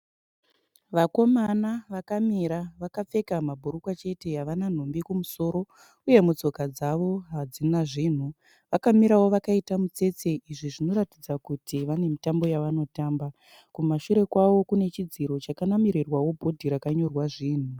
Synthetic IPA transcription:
ʋako̞manaʋakamiɾaʋakap͡fe̞kamabʱuɾukwat͡ʃe̞te̞aʋanan̤ombikumuso̞ːɾo̞ | uje̞mut͡so̞kad͡zaʋo̞ɦad͡zinaʐiːn̤u | ʋakamiɾawo̞ʋakaitamut͡se̞t͡se̞ʔiʐiʐino̞ɾatid͡zakutiʋane̞mitambo̞jaʋano̞taːmba | kumaʃuɾe̞kwaʋo̞kune̞t͡ʃid͡ziɾo̞t͡ʃakanamiɾirwawo̞bʱo̞dʱiɾakaɲo̞rwaʐiːn̤u

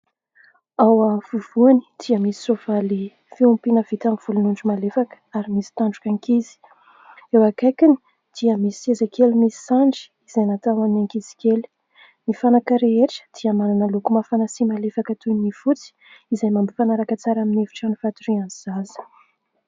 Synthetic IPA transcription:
awavuv̥uani̥d̪̥iəmisi̥sovali | fiumpinəv̥it̪amiv̥ulunuɳɖ͡ʐimalefakə̥aɾimisi̥t̪aɳɖ͡ʐukaŋkizi̥ | ewakajkini̥ | d̪̥iəmisezakelimisi̥saɳɖ͡ʐi̥izajnat̪awannaŋkiz̥i̥kʲeli̥ | nifanakəɾeeʈ͡ʂə̥d̪̥iəmanunəlukumafanasimalefakət̪unifut͡si̥ | izajmambifanaɾakət͡saɾaminevi̥ʈ͡ʂanifat̪uɾianizazə̥

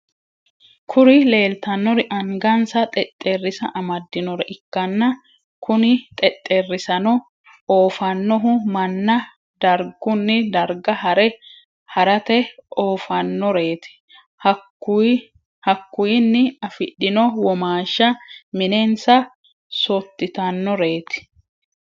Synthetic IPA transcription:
kʰʊɾɪle̞ːlt̪ɐnːɔɾɪʔɐŋɡɐnsɐt̪ʼɛt̪ʼːerːɪsɐ̰ʔɐmɐd̪ːɪnɔɾɛʔɪkːɐnːɐ | kʊnɪt̪ʼɛt̪ʼːerːɪsɐnɔ | oːfɐnːɔɦʊmɐnːɐ | d̪̥ɐɾɡʊnːɪd̪ɐɾɡɐhɐɾɛ | hɐɾɐt̪ɛoːfɐnːɔɾe̞ːt̪ɪ̥ | hɐkːʊjɪnːɪɐfɪɗːɪnɔwɔmaːʃːɐmɪnensɐ | sɔt̪ːɪt̪ɐnːɔɾe̞ːt̪ɪ̥

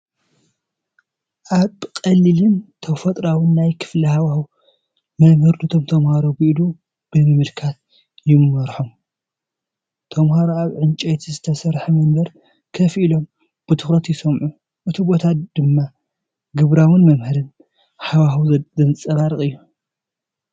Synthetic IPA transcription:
ʔaβkʼɐlːilɨnt̪ʰɐfɐt̪ʼɾawɨnːajkʰɨ̥flihawaw | mɐmhɨɾd̪ut̪ʰomt̪ʰɐmhaɾobɨʔɨlu | b̥ɨmɨmɨlkʰat̪̚ | jɪmːɐɾħom | t̪ʰɐmhaɾoaβʕɨnt͡ʃʼejt̪ʰizɨt̪ʰɐsɐɾħɐmɐnbɐɾ | kʰɐfʔilo̞m | b̥ɨt̪ʰɨxɾɐt̪jɪsɐmʕu | ʔɨt̪ʰibo̞t̪ʰad̪̥ɨmːa | ɡɨβɾawɨnmɐmhɨɾɨn | hawahwzɐzɨnt͡sʼɐβaɾɨkʼɨjːu

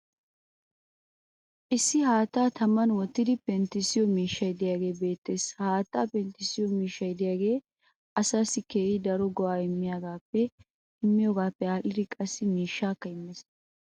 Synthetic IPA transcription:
ʔɪsːɪɦaːt̪ːaːt̪ɐmːɐnwɔt̪ːɪd̪ɪpɛnt̪ɪsɪjɔmiːʃːɐjɪd̪ɪjaːɡe̞ːbe̞ːt̪ːe̞ːshaːt̪ːaːpɛnt̪ɪsɪjɔmiːʃːɐjɪd̪ɪjaːɡe̞ː | ʔɐsaːsɪkeːʔɪd̪ɐɾɔɡɔaːɪmːɪjaːɡaːpːɛ | ɪmːɪjoːɡaːpːɛaːlɪd̪ɪkʼɐsːɪmiːʃːaːkːɐɪmːɛs

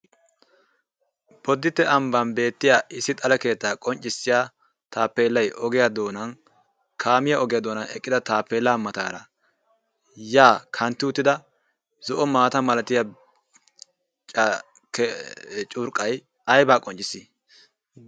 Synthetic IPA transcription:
bɔd̪ːɪt̪ːɛʔɐmbɐnbe̞ːt̪ːɪjaːʔɪsːɪt̪ʼɐlɐke̞ːt̪ːaːkʼɔnt͡ʃʼːɪsːɪjaː | t̪aːpːeːlːɐjʔɔɡɛjad̪oːnɐn | kʰaːmɪjaɔɡɛjɐd̪oːnɐnɛ̰kʼːɪd̪ɐt̪aːpːeːlːaːmɐt̪a̰ːɾɐ | jaːkʰɐnt̪ːɪʊt̪ːɪd̪ɐ | zɔʔɔmaːt̪ɐmɐlɐt̪ɪjɐ | t͡ʃʼ | k | t͡ʃʼʊɾkʼːɐj | ɐjbaːkʼɔnt͡ʃʼːɪsi

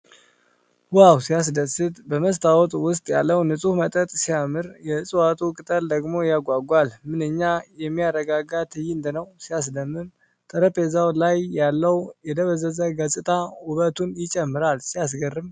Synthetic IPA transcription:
wawsijas̬d̪əsɨt̪bəməst̪ʰawɔt̪ʼwʊst̪ʼjalːəwnɨsʼuhmət̪ʼət̪ʼsijamɨɾjɛsʼɨwat̪ʰʼukʼɨt̪ʼəld̪əɡmo̞jaɡʷaɡʷalmɨnɨɲːajɛmːiaɾəɡaɡat̪ʰɨjɪnd̪ɨnəwsijas̬d̪əmːɨm | t̪ʼəɾəpezawlajːalːəwjɛd̪əβəzəzəɡəsʼɨt̪ʼʰauβət̪ʰunjɪt͡ʃʼɛmːɨɾalsijas̬ɡərːɨm

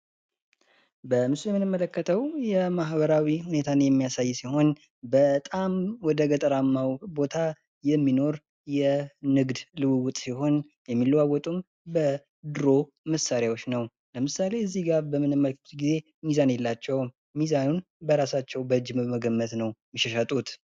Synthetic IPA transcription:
bəmɨsjɛmːɨnɨmːələkːət̪ʰəwjɛmaɦbəɾawihune̞t̪ʰanjɛmːijasajːsiho̞n | bət̪ʼamwɔd̪əɡət̪ʼəɾamːawbo̞t̪ʰa | jɛmːino̞ɾ | jɛnɨɡd̪lɨwɨwʊt̪ʼsiho̞n | jɛmːilːwawɔt̪ʼum | bə | d̪ɨɾo̞ | məsaɾjawot͡ʃːnəw | ləmɨsale̞ɨzːihɡaɾbəmːɨnɨmːəlkut̪ɡize̞ | mizanjɛlːat͡ʃːɛw | mizanun | bəɾasat͡ʃːɛwbəɨd͡ʒːməməɡəmːət̪nəwmiʃɛʃat̪ʼut̪

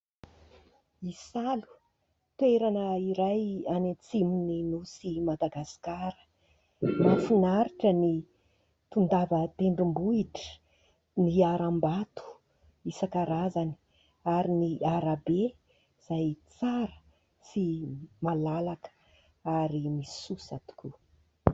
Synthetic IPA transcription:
isalu̥ | t̪weɾanəiɾajanet͡simininusimad̪aɡasi̥kaɾə̥ | mafinaɾiʈ͡ʂəni | t̪und̪avət̪eɳɖ͡ʐimbuiʈ͡ʂə̥ | niaɾambat̪u̥ | isakaɾazani | aɾiniaɾabe | z̥ajt͡saɾə̥ | simalalakə̥ | aɾimi̥susat̪u̥ku

